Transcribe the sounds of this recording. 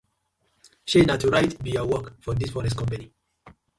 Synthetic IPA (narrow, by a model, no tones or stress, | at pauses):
ʃenatuɹajtbiawɔkfɔd̪isfɔɾɛstkɔ̃mpani